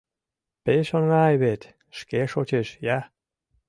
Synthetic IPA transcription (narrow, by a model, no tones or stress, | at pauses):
peʃonŋɑjβet̪ | ʃkeʃot͡ɕeʃjæ